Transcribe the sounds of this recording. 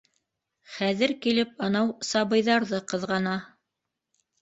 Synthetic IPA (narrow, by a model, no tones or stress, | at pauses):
χæðɘɾkilɘp̚ɑnɑwsɑβɤ̆jðɑɾðɤqɤ̆ðʁɑnɑ